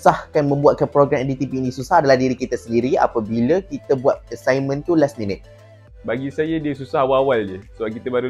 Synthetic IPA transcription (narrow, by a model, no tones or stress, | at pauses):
sahkanmə̃mbuat̪̚kanpɾoɡɾamɛdit̪ipiːnĩsusahadalahdiɾikit̪asəndiɾia̰pabilakit̪əbuat̪̚əsajmə̃nt̪ulasmĩnət̪̚ | baɡisajadiəsusaɦwawaldəsəbalk̬it̪əbaɾu